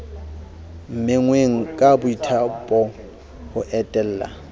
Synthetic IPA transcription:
m̩mɪŋweŋ̩kʼabʊitʰapʼɔ | hʊʔɛtʼɛl̩ːla̰

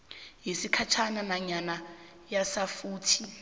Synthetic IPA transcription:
ɦisikʰat͡ʃʰananaɲana | jasafuːtʰi

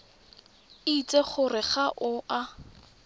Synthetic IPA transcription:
it͡sʼeχʊrɪχaʔʊʔa

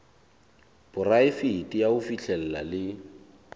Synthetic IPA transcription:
b̥ʊraɪfitʼijaʊfiɬʰɛl̩la̰lɪ

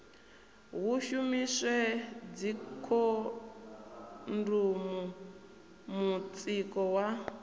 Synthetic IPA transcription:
ɦuʃumisɛd͡zikʰɔ | ndumu | mut͡sʼikɔwa

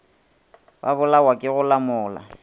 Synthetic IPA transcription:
ba̰βʊlawakʼɪɣʊlamʊːla̰

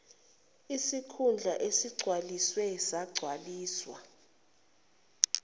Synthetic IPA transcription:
isikʰund͡ɮʱaʔesiɡ͡ǀʱwaliswɛsaɡ͡ǀʱwaliːswa

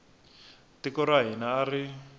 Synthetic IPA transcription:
tikɔɾaɦinaːri

